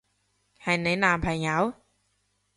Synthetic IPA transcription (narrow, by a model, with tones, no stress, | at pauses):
ha˧˩na˨˦˥naː˧mpʰa˨˧˩jɲa˨˦˥w